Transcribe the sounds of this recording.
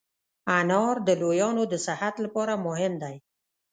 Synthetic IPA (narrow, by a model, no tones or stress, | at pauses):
anɑɾd̪əlojɑnod̪əsɪhat̪lapɑɾamʊɦɪmd̪aj